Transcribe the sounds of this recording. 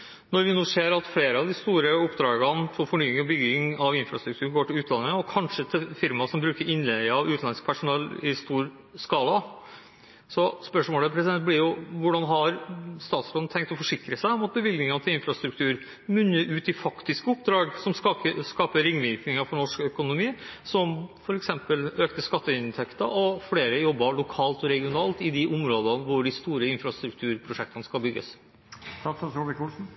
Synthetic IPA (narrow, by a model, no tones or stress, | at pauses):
nɔɾʋɪnuːseːɾɑt̪fleːɾəɑʋd̪ɪst̪uːɾəʊpd̪ɾɑːɡɑnfɔfɔɳyːɪŋɔbʏɡɪŋɑʋɪnfɾɑst̪ɾʉkt̪ʰʉːɳɡoːʈɪlʉːt̪lɑnːəəɔkʰɑnʂət̪ʰɪlfɪɾmɑsɔmbɾʉːkəɾɪnlɛɡɑʋʉːt̪n̩ɑnəsk̚pʰæʂʊnɛlɪst̪uːɾ | skɑːlɑ | sɔspœʂmoːləpʰɾɛsɪd̪ɛnt̪̚blɪɾjʊʋʊɖɑnɦɑɾst̪ɑːt̪sɾɔn̩t̪ʰɛŋk̚t̪ɔfɔʂɪkɾəsæɪɔmɑt̪̚bəʋɪld̪nɪŋɑnt̪ʰɪlɪnfɾɑst̪ɾʉk̚t̪ʰʉːɾ | mʉnːəɾʔʉːt̪ɪfɑkt̪ɪskəʊpd̪ɾɑːɡsɔmɑəskɑːpəɾɪŋːʋ̪iːknɪŋəfɔɳɔʂkœkʊnʊmiːsɔmfɔɾɛksɛmpəløːkt̪əskɑt̪ːəɪnt̪ʰɛkt̪əʔɔfleːɾəjɔbːɑɭʊkʰɑːlt̪ɔɾɛɡɪʊnɑːlt̪ɪd̪ɪʔʊmɾoːd̪ənʋʊɖɪst̪uːɾəɪnfɾɑst̪ɾʉkt̪ʰʉːɾpʰɾʊʂɛk̚t̪ʰənəskɑlbʏɡːə̰s | t̪ɑəsuʋɪkulsn̩